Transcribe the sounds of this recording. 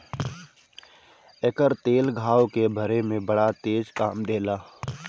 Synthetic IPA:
ekəɾt̪eːlɡʱaːwkebʱəɾemẽbəɽat̪eːd͡ʒkaːmd̪eːlaː

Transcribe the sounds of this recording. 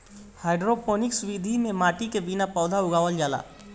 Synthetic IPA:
haːɪɖɾopoːnɪksʊwid̪ʱimẽmaːʈikebinapɔːd̪ʱaʊɡaːʋəld͡ʒaːla̰ː

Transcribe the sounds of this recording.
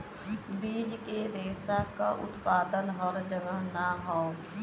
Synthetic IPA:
biːd͡ʒked̪eːsakaʔʊ̰t̪paːd̪ənɦɔːɾd͡ʒəɡəɦnaɦõː

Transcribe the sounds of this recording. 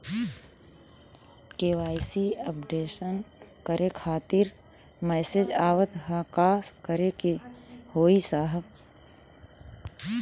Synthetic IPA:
ʈeːʋaːɪsiəpɖeːʃənkəɾekʰaːt̪ɪɾ | mɛːsed͡ʒaːʋət̪ɦãkaːskəɾekehoːisaːɦəb

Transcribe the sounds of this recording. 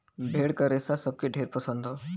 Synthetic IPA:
bʱeːɽkɐɾeːsasɐb̚keɖʱeːɾpɐsə̃nd̪ɦoː

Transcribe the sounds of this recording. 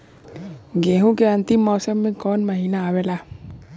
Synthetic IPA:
ɡeɦũkeant̪imːɔːsəmːẽkɔnməɦinaːwela

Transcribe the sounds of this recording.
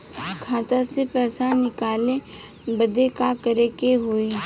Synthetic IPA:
kʰaːt̪asepɛːsãnɪkaːlẽ | bəd̪ekakəɾekeɦoiː

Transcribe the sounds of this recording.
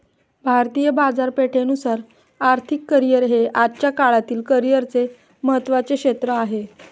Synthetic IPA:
bʱaɾt̪ijəbad͡zaɾpeʈʰenusaɾ | aɾt̪ʰikːəɾijəɾɦeʔadt͡ɕjakaɭat̪iːlkəɾijəɾt͡se | məɦət̪ːʋat͡sekɕet̪ɾəaɦe

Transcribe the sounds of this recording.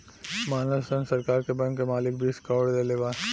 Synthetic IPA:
maːnəsənsɐɾkaːɾkebɐ̃ŋkːemaːlɪk̚bʱiskaʋɽd̪eleʋaː

